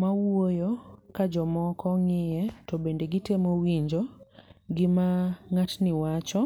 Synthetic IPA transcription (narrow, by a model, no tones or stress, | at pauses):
mawojokad͡ʒɔmɔkɔŋɪjɛtɔbendeɡɪtemowiɲd͡ʒoɡɪmaŋatnɪwat͡ʃɔ